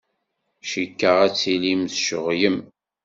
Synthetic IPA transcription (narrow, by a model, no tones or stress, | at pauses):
ʃikːəʁæt͡sːilimθʃəʁjəm